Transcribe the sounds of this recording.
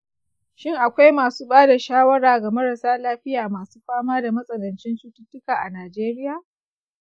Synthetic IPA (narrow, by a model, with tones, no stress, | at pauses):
ʃɪ˦˨ŋʔa˨kʷa˦jmaː˨suː˦ɓaː˦da˨ʃaː˦wɐ˦ɽaː˨ɡa˨mɐ˦ɾa˨saː˦laː˦ɸɪ˦jaː˨maː˨su̥ː˦ɸaː˦maː˦da˨mɐ˦sʼɐ˨dɐ˨nt͡ʃɪ˦nt͡ʃuː˦tʊ˦tːʊ˦kaː˨ʔa˨naː˨d͡ʒeː˦ɾɪ˦jaː˨